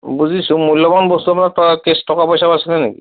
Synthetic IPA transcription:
buzisũmujlːɔbanbɔst̪uapnatɔkestɔkapɔjsabasilɛnḛkḭ

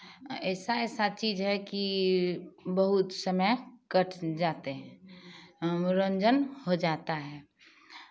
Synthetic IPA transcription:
ɛsaɛsat͡ʃiːd͡ʒɦɛki | bəɦut̪səməkəʈʰd͡ʒat̪eɦɛ̃ | ɾə̃nd͡ʒənhod͡ʒat̪aɦɛ

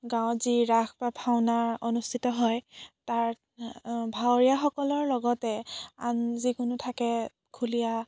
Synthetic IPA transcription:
ɡãw̃ziɹaxbapʰawnaɹɔnustʰitɔɦɔjtaɹ | bʱawɹijaxɔkɔlɔɹlɔɡɔtɛa̰nzikʊnutʰakɛ | kʰulija

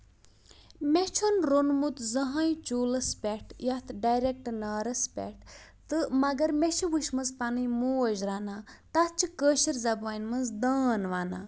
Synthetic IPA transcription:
met͡ʃʰonɾonmut̪zɐɦãjit͡ʃuːlɐspʲɛʈjɐt̪ʰɖajɾek̚ʈnaːɾɐspʲḛʈ | t̪ɨmɐɡɐɾmet͡ʃʰiʋuʃmɐnzpanɨjmoːɐd͡ʒɾaːnaːt̪ɐt̪t͡ʃʰɨkəːʃiɾzɐbaːnmɐnzd̪aːnʋaːnaː

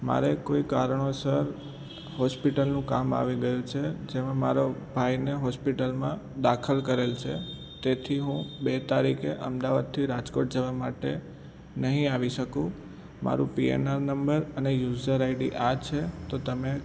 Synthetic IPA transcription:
ma̰ɾekoikaɾəɳosəɾ | hɔspiʈəlnũkama̰ʋiɡəjũt͡ʃʰed͡ʒemãmaɾobʱajneɦɔspiʈəlmãd̪akʰəlkəɾelt͡ʃʰḛ | t̪et̪ʰiɦũbet̪aɾikʰeʔəmd̪aʋad̪̚t̪ʰiɾad͡ʒkoʈ̚d͡ʒəʋamaʈe | nəɦĩaʋiʃəkũ | ma̰ɾṵ̃piḛnaɾnəmbəɾənejuzəɾaiɖiʔat͡ʃʰet̪ot̪əme

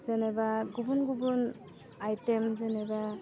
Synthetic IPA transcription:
z̥ɛnɛbaɡubunɡubun | ajtɛmzɛnɛba

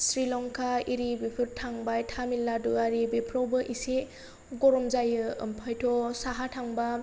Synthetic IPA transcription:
sɾilɔŋkʰaiɾibipʰɯɾtʰaŋbajtʰamilːaduaɾibepʰɾɔwbɯʔise | ɡɔɾɔmzajɯɯmpʰajtʰɔsaɦatʰaŋba

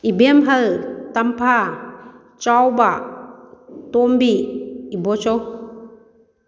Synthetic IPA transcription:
ibemɦəltampʰa | t͡ʃawba | tɔmbiːbɔt͡ʃɔ

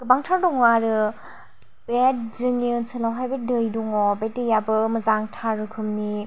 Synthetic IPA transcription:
ɡ̥ɐbaŋtʰaɾdɔŋaɾɯ | bet̚zɯŋinsɯlawɦajbedɯjduŋɔbetɯjabɯmɐzaŋtʰaɾɯkʰɯmni

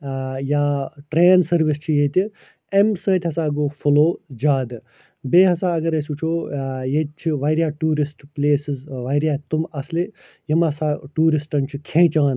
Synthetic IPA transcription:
jaːʈɾeːnsɐɾʋist͡ʃʰijet̪ʲi | emsəːt̪ʲɦɐsaːɡoːfʰuloːd͡ʒaːd̪ | beːɦɐsaːɐɡɐɾesuːt͡ʃʰoːjet͡ʃʰiʋɐjɾʲijaːʈuːɾisʈpleːsizʋɐjɾjaːt̪umɐsle | jimɐsaːʈuːɾisʈɐnt͡ʃʰikʰẽːt͡ʃãːn

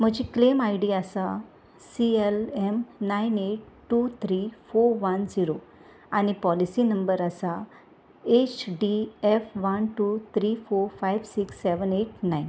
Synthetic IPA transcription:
m̤əd͡ʑiklemajɽiəsa | sielemnaineʈ̚ | ʈːut̪ʰɾifoɾʋənd͡ziɾo | aɽ̃ipɔlisinəmbəɾəsa | et͡ɕɖiefʋənʈut̪ʰɾifoɾfajʋsiksːeʋəneʈnajn

